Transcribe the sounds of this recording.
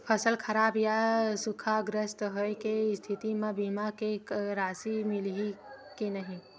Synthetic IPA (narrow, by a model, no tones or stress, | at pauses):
pʰəsəlkʰəɾaːbjasʊkʰaɡɾəst̪ɦoekest̪ʰit̪imãbiːmakeɾaːsimɪlɦikinɐɦĩ